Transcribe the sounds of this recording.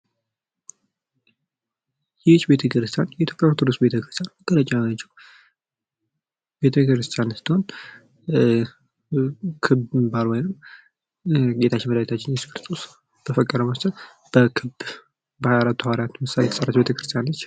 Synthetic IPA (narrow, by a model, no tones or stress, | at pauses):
jɛt͡ʃːbe̞t̪ʰəkɨɾɨst̪ʰʼjanjɛʔit̪ʰjo̞pʼjat̪ʰuɾɨsbe̞t̪ʰəkɾɨst̪ʰʼjanməkʼːələt͡ʃʼanat͡ʃːɛw | be̞t̪ʰəkɾɨst̪ʰʼjansɨ̥t̪ʰːho̞n | kʰɨbmbalwɔjnɨm | ɡe̞t̪ʰat͡ʃːɪnməd̪ajt̪ʰat͡ʃːɪnjɛt͡ʃəkɾst̪ʰʼos | b̥əfəkʼːəɾəməst̪ʰət̪ | b̥əkʰɨb | bəhajalat̪ʰːuhaɾat̪mɨsalejt̪ʰəsʼəɾat̪be̞t̪ʰəkɾɨst̪ʰʼijanlət͡ʃː